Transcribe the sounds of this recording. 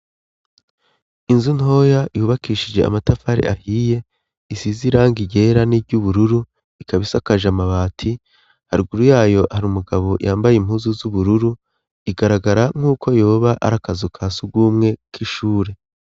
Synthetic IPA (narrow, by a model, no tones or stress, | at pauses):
inzunho̞jajuːβakiːʃid͡ʒe̞̰a̰matafaɾḛʔahiːje̞ | isiziɾaːŋɡiɟe̞ɾanibɟuβuɾuɾu | ikaβisakaʒamaβaːtʰi | haɾiɡuɾujaːjo̞haɾumuɡaβo̞jaːmbajemhuzuzuβuɾuɾu | iɡaɾaɡaɾaŋ̥uːkʰo̞jo̞ːβaʔa̰ɾakazukʰasub̚ɡuːmŋe̞kiʃuːɾe̞